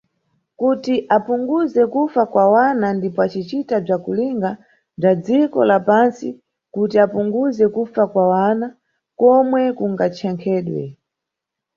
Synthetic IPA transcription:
kutiʔapuŋɡuzɛkufakwawanandipɔat͡ʃit͡ʃitab͡ʐakuliŋɡa | b͡ʐad͡zikɔ̰lapansi | kutiapuŋɡuzɛkufakwawana | kɔmwɛkuŋɡat͡ʃʰɛŋkʰɛːɗwɛ̰

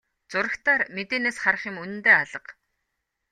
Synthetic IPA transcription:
t͡sʊɾə̆xt̪aːrmet̪eːneːsχar̆χjɪ̆munɘ̆nt̪eːaɮə̆q

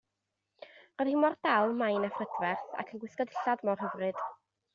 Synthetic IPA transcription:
rɔðhɪmɔrd̥alˠmajnafrədvɛrθa̰kʰənɡwɪskɔdɪɬadmɔr̥hɦəvrɨd̥

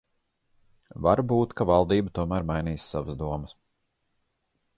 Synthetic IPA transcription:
vaɾbuːt̪kavɑlˠd̪iːbət̪uɔmæːɾmajniːsːavəzd̪uɔmɐs

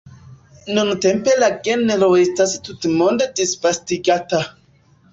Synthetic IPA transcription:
nuntempelaɡeneɾoestastutmondedisvastiɡata

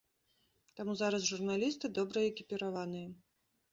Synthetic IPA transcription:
t̪amuzaɾɐsʐurnalʲist̪ɨd̪ɔbɾɐɛkʲipʲɪɾavan̪ɨjɐ

